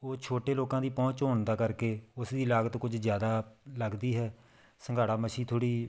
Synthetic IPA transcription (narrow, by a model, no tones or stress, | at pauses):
oːt͡ʃʰoːʈeːloːkãːd̪iːpɔ̃ːt͡ʃɦoːnd̪aːkəɾkeːʊsd̪iːlaːɡət̪kʊd͡ʒzjaːd̪aːləɡd̪iːɦɛː | səŋɡaːɽaːməʃiːt̪ʰoːɽiː